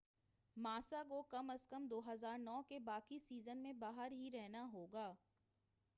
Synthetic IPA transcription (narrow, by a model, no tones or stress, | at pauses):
maːsak̬okɐməskəmd̪oːɦəzaːɾnɔːkebaːkisiːzənmẽbaːɦəɾɦiɾɛɦnaɦoːɡaː